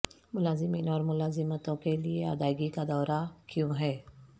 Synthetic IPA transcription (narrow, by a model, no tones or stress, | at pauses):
mʊlaːzɪmiːnɔːɾmʊlaːzɪmət̪õkeliea̰d̪aːɪɡikad̪ɔːɾakɪjõɦɛː